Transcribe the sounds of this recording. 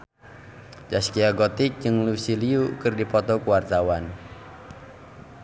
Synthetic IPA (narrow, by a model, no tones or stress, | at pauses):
d͡ʒaskiaɡot̪ɪk̚d͡ʒɨŋlusiliukɨrdipɔt̪ɔkuwart̪awan